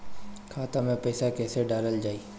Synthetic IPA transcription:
kʰaːt̪amẽpɛːsakɛːseɖaːləld͡ʒaːiː

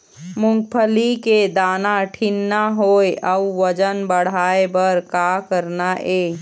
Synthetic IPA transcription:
mʊ̃ŋɡ̚pʰəliked̪aːnaʈʰinːaɦoːeʔəuʋəd͡ʒənbəɽ̤aːebəɾkakəɾnaʔeː

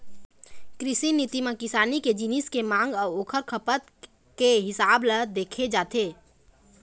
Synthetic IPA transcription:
kɾɪsiniːt̪imẽkɪsaːniked͡ʒinɪskemãːŋɡɔːɾoːkʰəɾkʰəpət̪ | keɦɪsaːbləd̪eːkʰed͡ʒaːt̪ʰeː

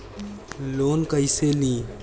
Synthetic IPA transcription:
loːnkəɪselĩː

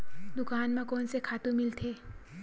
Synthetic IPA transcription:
d̪ʊkaːnmãkɔːnsekʰaːt̪ũmɪlt̪ʰeː

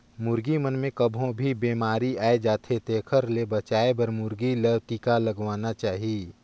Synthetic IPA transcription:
mʊɾɡimənmẽkəbʱõbʱibeːmaːɾiaːed͡ʒaːt̪ʰet̪eːkʰəɾlebɐt͡ʃaːebɐɾmʊɾɡiləʈiːkalɐɡʋaːnat͡ʃaːɦii

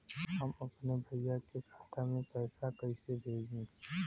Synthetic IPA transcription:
ɦɐmɐpnebʱɐijakekʰaːt̪amẽpɛːsakɐisebʱeːɡẽː

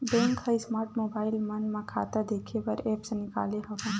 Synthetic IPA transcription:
bɛ̃ŋkhəismaːɾʈmobaːɪlmənmãkʰa̰ːt̪ad̪ekʰepəɾeːpsnɪka̰ːleɦəʋã

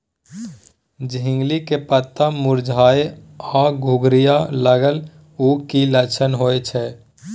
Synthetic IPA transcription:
d͡ʒɦɪ̃ŋɡlikepət̪ːamʊɾd͡ʒʱaːeɔɡʱʊɡɾijaləɡəl | ukilət͡ʃʰənɦoːet͡ʃʰɛː

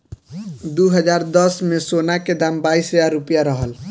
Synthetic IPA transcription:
d̪uɦəd͡ʒaɾd̪əsmesonaked̪ambaisɦəjaɾupijaɾəɦəl

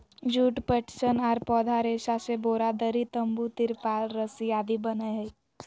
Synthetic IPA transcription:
d͡ʒuːʈpəʈt͡ʃənaːɾpɔːd̪ʱaɾeʃaseboːɾad̪əɾit̪ə̃mbut̪iɾpaːlɾəsijaːd̪ibənəɦe

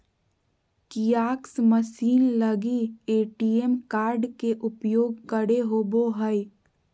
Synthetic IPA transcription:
kijaːksməsiːnləɡieːʈijemkaːɾɖkeʔʊpjoːɡkəɽeɦoboɦəj

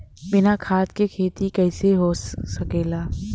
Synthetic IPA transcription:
bɪnakʰaːt̪kekʰeːt̪ikɛːseɦosɐkeːlaː

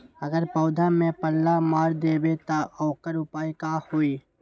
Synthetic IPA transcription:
əɡəɾpɔːd̪ʱamẽpəlːamaːɾd̪eːbet̪aʔɔːkəɾʊpaːikahoːiː

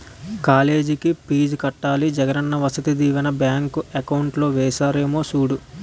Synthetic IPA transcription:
kaːle̞ːd͡ʒikipiːd͡ʒkɐʈːaːlid͡ʒɐɡɐnɐnːɐʋɐsɐt̪ɐd̪iːʋɐnɐbjaːŋkuekɐwuɳʈlo̞ːʋɛːsaːɾe̞ːmoːsuːɽu

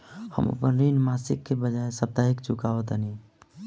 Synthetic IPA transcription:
hə̰mo̰pənɾinmasikːebəd͡ʒaesəb̚t̪aɦikt͡ʃukaʋət̪əni

